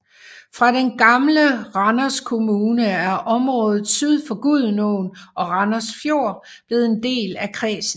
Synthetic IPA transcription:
fʁɑ̈ɾ̥enɡ̥ɑ̈mləʁɑ̈nɐskʰo̝muːnəæɐʔɒ̽mʁɔ̽ːð̞ˠð̩ˠsyð̞ˠfɒɡ̥uð̞ˠnoːnɒ̽ʁɑnɐsfjo̝̰ːɐ̰ | b̥le̝ð̞̩ˠe̝nd̥e̝̰ːlækʰʁɛ̰ːsn̩

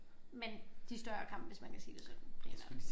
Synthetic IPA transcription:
mend̥isd̥ɶɐkʰɑ̈m̰b̥ʋe̝smænkʰæsiːd̥e̝sɒd̥n̩̥ʰʁɛːnæ

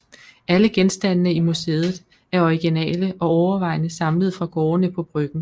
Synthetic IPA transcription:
ʔæləɡ̥ensd̥ænːəimuse̝ːð̩ˠ | æɐɒiɡ̥inɛ̰ːləʔɒ̽ɒʊɐʋɑ̈ɪ̰nəsɑ̈mləð̩ˠfʁɑ̈ɡ̥ɒːɐnəpʰɒ̽b̥ʁœɡ̥n̩

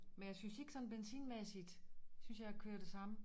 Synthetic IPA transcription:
menjɑ̈ɪsynse̝ɡ̥ə̥sɒ̽n̩b̥ensḭːnmesid̥synsjɑ̈ɪækʰøːɐd̥e̝sɑ̈mə

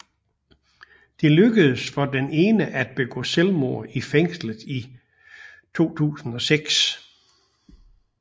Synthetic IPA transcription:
d̥e̝løɡ̥əð̞̩ˠsfɒ̽d̥ene̝ːnəʔæd̥̚b̥e̝ɡ̥ɔ̰̽ːselmo̝ɐ̰ifeŋ̰slð̩ˠi | t͡sʰo̝̰ːt͡sʰṵːsn̩ɒ̽seɡ̥s

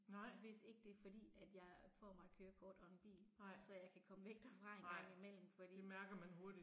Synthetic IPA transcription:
ʋe̝se̝ɡ̥əd̥e̝ɐfɒ̽d̥ḭːæd̥jɑ̈ɪfɒ̰ːmɑ̈ɪkʰøːɐkʰɒːd̥ɒ̽enb̥ḭːlsɒjɑ̈ɪkʰækʰɒ̽məʋeɡ̥̚d̥æfʁɑ̈e̝nɡ̥ɑ̈ŋ̰imel̰m̩fɒ̽d̥ḭːmæɐɡ̥ɐmænho̝ɐdi

